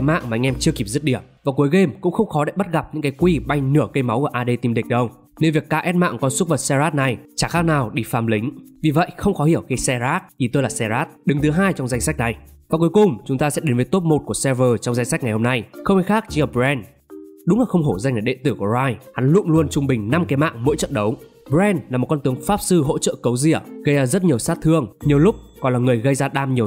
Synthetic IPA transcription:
ma̰ː˧˨ŋmaː˨ʔŋ̟ʔɛ˧mt͡ɕɨ˧əki˨˩p̚zɨ˦˥t̚ɗi˧˩əmvaː˨˩ku˨˦jɣe˧mkʊ̰˧˥ŋ͡mxə˧wŋ͡mxɔ˨˦ɗa̰ː˧˨jɓa˦˥t̚ɣa˨˩p̚ɲɨ̰˧˥ŋkaː˨˦jkwi˧ɓa˧jnɨ˧˩əkə˧jma˨˦wkːʔaː˧ɗe˧t̪i˧mɗi˨˩k̚ɗə˧w | ne˧nvi˨˩əkːaː˧˥ʔɛ˦˥t̚ma̰ː˧˨ŋkɔ˧nsʊ˦˥t̚və˨˩t̚sɛ˧zaː˦˥t̚na˨˩jt͡ɕaː˧˩xaː˦˥k̚naː˨˩wɗi˧faː˨˩mlï˨˦ŋ̟vi˨˩və̰˧˨jxə˧wŋ͡mxɔ˨˦hi˧˩əwxi˧sɛ˧zaː˦˥t̚ʔi˧˩t̪əː˧jlaː˨˩sɛ˧zaː˦˥t̚ɗɨ˨˦ŋt̪ʰɨ˨˦ɦaː˧jt͡ɕɔ˧wŋ͡mza˧jŋ̟sa˦˥k̟̚na˨˩j | vaː˨˩ku˨˦jkʊ˨˩ŋ͡mt͡ɕʊ˨˦ŋ͡mt̪aː˧sɛ̰˧˥ɗe˨˦nvə˨˦jt̪o˦˥p̚mo˨˩t̚ku˧˩əsɛ˧vəː˨˩t͡ɕɔ˧wŋ͡mza˧ŋsa˦˥k̟̚ŋa˨˩jho˧mna˧jxə˧wŋ͡mxi˧jxaː˦˥k̚t͡ɕi˧əː˨˩p̚bzɛ˧n | ɗʊ˨˦ŋ͡mlaː˨˩xə˧wŋ͡mɦo˧˩za˧ŋ̟ŋaː˨˩ɗḛ˧˨nt̪ɨ˧˩ku˧˩əzaː˧jha˨˦nlʊ̰˧˥ŋ͡mlu˧ənt͡ɕʊ˧ŋ͡mɓï˨˩ŋ̟na˧mkɛ˨˦ma̰ː˧˨ŋmo̰˧˥jt͡ɕə̰˧˨nɗə˨˦w | ɓɛ˧nlaː˨˩mo˨˩kɔ˧nt̪ɨ˨˦əŋfaː˦˥p̚sɨ˧ɦo̰˧˥t͡ɕə̰ː˧˨kə˨˦wzi˧˩əɣə˧jzaː˧zə˦˥t̚ɲi˨˩əwsaː˦˥t̚t̪ʰɨ˧əŋɲi˨˩əwlʊ˦˥k͡p̚kɔ˨˩nlaː˨˩ŋɨ˨˩əjɣə˧jzaː˧ɗaː˧mɲi˨˩əw

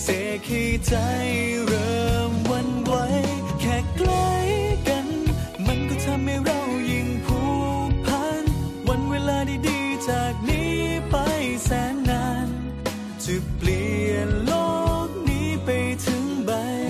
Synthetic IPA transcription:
se˨˩˦k̪ʰiː˧˩t͡ɕa˧˩jɾɤː˧mwa˧nwa˧˥j | kʰɛː˨˩kla˧˥jka˧˦n | ma˧nkɔː˧˩t̪ʰa˧mːa˧˩jɾa˧˩wji˨˩ŋpʰuː˧˥pʰa˧˥nwa˧˥nweː˧laː˧da˧˩jdiː˧˩t͡ɕaː˨˩k̚niː˦˥pa˧jsɛː˨˦na˧˥n | t͡ɕʰɯ˨˩k̚pli˨˩˨ənloː˧˩k̚niː˦˥pa˧jt̪ʰɯ˨˦˥ŋba˧j

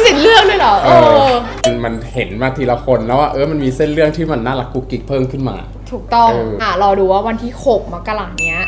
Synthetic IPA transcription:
si˨˩k̪̚lɯ˥˩ək̚du˥˩ə˨jlɔ˨˩˦ʔɤː˧ | a˧nma˧nhe˩˦nmaː˧˩t̪ʰiː˧˩la˧kʰo˧nlɛː˦˥waː˥˩ʔɤː˧˥˩ma˧nmiː˧se˥˩nlɯ˥˩əŋt̪ʰiː˥˩ma˧nːaː˥˩la˨˧˩kːu˧˥ki˨˦˩k̚pʰɤː˥˩mkʰɯ˥˩nma̰ː˧ | t̪ʰuː˨˩k̚t̪ɔ˥˩ʔŋɤː˧ʔa˥˩ɾɔː˧duː˧waː˥˩wa˧nt̪ʰiː˥˩xʰo˨˩k̚ma˦˥ka˧laː˨˩k̚ni˦˥ɐ

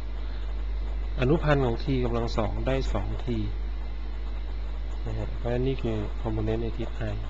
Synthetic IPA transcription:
ʔa˧nu˦˥pʰa˧nkʰɔː˩˦ŋt̪ʰiː˧ka˧mla˧ŋsɔː˩˦ŋdaː˥˩jsɔː˩˦ŋt̪ʰiː˧ | a˧˩˧pʰɔ˧˦˥na˧˥niː˥˩kʰɯː˧ | kʰɔ˧mpo˧ne˦˥na˧jt̪ʰiː˦˥t̪ʰːa˧j

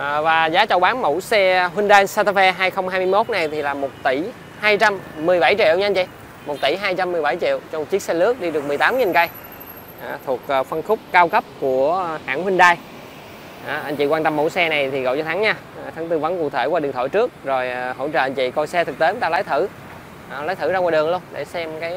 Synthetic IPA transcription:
ʔəː˨˩vaː˨˩zaː˨˦t͡ɕə˧˩wɓaː˨˦nmu˧˩˥sɛ˧ɦwï˧ŋɗaː˧jsa˧t̪ə˧fɛ˧ɦaː˧jxə˧wŋ͡mhaː˧jmɨ˧jmo˦˥t̚na˨˩jt̪ʰi˨˩laː˨˩mo˨˩t̚t̪i˧˩ | haː˧jt͡ɕa˧mːɨ˨˩əjɓa˧˩jt͡ɕḭ˧˨wɲa˧jɲt͡ɕḭ˧˨ | mo˨˩t̚t̪i˧˩ɦaː˧jt͡ɕa˧mːɨ˨˩jɓa˧˩jt͡ɕḭ˧˨əwt͡ɕɔ˧m˨˩kt͡ɕi˦˥əsɛ˧lɨ˦˥ək̚ɗi˧ɗɨ˨˩ək̚m˨˩əjt̪aː˨˦mɲ˧˨˧nŋkə˧j | ʔaː˨˩t̪ʰu˨˩ək̚ːfə˧nxʊ˦˥k͡p̚kaː˧wkə˦˥p̚ku˧˩əhaː˧˥ŋhwï˧ŋ̟ɗaː˧j | ʔa˨˩ʔa˧jŋ̟t͡ɕḭ˧˨kwaː˧nt̪ə˧mːo̰˧˥˦jsɛ˧na˨˩jt̪ʰi˨˩ɣɔ̰˧˨t͡ɕɔ˧t̪ʰa˨˦ŋɲa˧˨˩t̪ʰa˨˦ŋt̪ɨ˧və˨˦nku˨˩˨t̪ʰe˧˩kwaː˧ɗɨ˨˩əŋt̪ʰo̰˧˩jt͡ɕɨ˦˥ək̚zo˨˩jho̰˧˥t͡ɕə̰ː˧˨ʔɲt͡ɕḭ˧˨kɔ˧˩jsɛ˧t̪ʰɨ˨˩k̚t̪e˨˦˨t̪a˧laː˨˦jt̪ʰɨ˧˩˨ | laː˨˦jt̪ʰɨ˧˩zaː˧kaː˨˧˨ɗɨ˨˩əŋlu˧ənɗe˧˩sɛ˧mkaː˨˦j

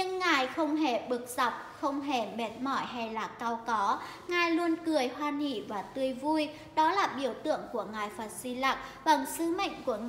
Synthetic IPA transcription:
ɲɨ˧ŋːaː˨˩jxə˧wŋ͡mɦe˧˩ɓɨ˨˩ək̚z̥a˨˩wk͡p̚xə˧wŋ͡mɦe˧˩me˨˩t̚mɔ˧˩jɦa˧jlaː˨˩kaː˧wkɔ˨˦ | ŋaː˨˩jlu˧ənkɨ˨˩əjhwaː˧nḭ˧˨vaː˨˩t̪ɨ˧əjvu˧j | ɗɔ˨˦laː˨˩ɓi˧˩əwt̪ɨ̰˧˨əŋku˧˩əŋaː˨˩jfaː˨˩t̚si˧la˨˩k̚va˨˩ŋsɨ˨˦mə̰˧˨jŋ̟ku˧˩əŋ

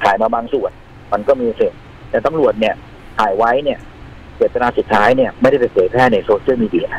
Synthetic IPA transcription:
kʰa̰ː˩˦jmaː˧baː˧ŋsu˨˩ən | ma˧nkɔː˥˩miː˧se˨˩t̚ | t̪ɛː˨˩t̪a˧˨mɾu˨˩ət̪̚ni˥˩ɐ | k̪ʰaː˩˦jwa˦˥jni˥˩ə | pi˨˩t̪̚ːa˧naː˧su˨˩t̪ʰːaː˦˥jni˥˩ɐma˥˩jda˥˩jpe˧npʰɤː˩˦jpʰɛː˥˩na˧jsoː˧sʰɯ˥˩˨miː˧di˧˩˨ʔ

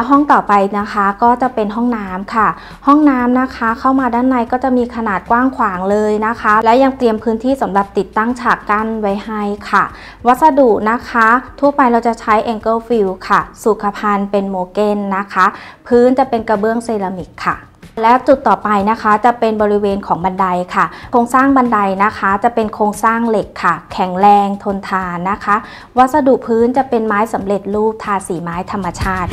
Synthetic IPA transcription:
lɛ˦˥wɦɔ˥˩ŋt̪ɔː˨˩pa˧jna˦˥kʰa˦˥kɔː˥˩t͡ɕa˨˩pe˧nɦɔ˥˩ŋnaː˦˥mkʰa˥˩ | hɔ˥˩ŋnaː˦˥mna˦˥kʰa˦˥kʰa˥˩wmaː˧daː˥˩nːa˧jkɔː˥˩t͡ɕa˨˩ʔmiː˧kʰa˧naː˨˩t̪̚kwaː˥˩ŋkʰwaː˩˦ŋlɤː˧jna˦˥kʰa˦˥lɛ˦˥wja˧ŋt̪ɾi˧əmpʰɯː˦˥nt̪ʰiː˥˩sa˩˦mɾa˨˩p̚t̪i˨˩t̪ːa˥˩ŋt͡ɕʰaː˨˩kːa˧˩nwa˦˥jha˥˩jkʰa˥˩ | wa˦˥t̪̚sa˧duː˨˩ʔna˦˥kʰa˦˥t̪ʰu˥˩əpa˧jɾa˧wt͡ɕa˨˩t͡ɕʰa˦˥jʔɛː˧ŋkɤː˥˩fi˧wkʰa˥˩su˨˩kʰːa˧pʰa˧npe˧nmoː˧ke˧nːa˦˥kʰa˦˥pʰɯː˦˥nt͡ɕa˨˩pe˧nka˧bɯ˥˩əŋseː˧la˧mi˨˩k̚kʰːa˥˩ | lɛː˦˥wt͡ɕu˨˩t̪ːɔː˨˩pa˧jna˦˥kʰa˦˥t͡ɕa˨˩pe˧nbɔː˧ɾi˦˥weː˧nkʰɔː˩˦ŋba˧nda˧jkʰa˥˩kʰoː˧ŋsaː˥˩ŋba˧nda˧jna˦˥kʰa˦˥t͡ɕa˨˩pe˧nkʰoː˧ŋsaː˥˩ŋle˨˩kʰːa˥˩kʰɛ˩˦ŋɾɛː˧ŋt̪ʰo˧nt̪ʰaː˧nːa˦˥kʰa˦˥ | wa˦˥t̪̚sa˧du˨˩ʔpʰɯː˦˥nt͡ɕa˨˩pe˧nmaː˦˥jsa˩˦mɾe˨˩t̪̚luː˥˩p̚t̪ʰaː˧siː˩˦maː˦˥jt̪ʰa˧mːa˧t͡ɕʰaː˥˩t̪̚

